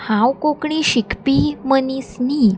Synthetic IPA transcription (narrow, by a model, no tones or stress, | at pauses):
hãwkokɳĩɕikʰpimənisni